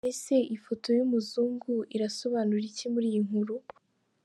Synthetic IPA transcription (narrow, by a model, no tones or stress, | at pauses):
ese̞ʔifo̞tʰo̞jumuzuːŋɡuiɾaso̞βaːnuɾicemuɾiːjiŋ̥huɾu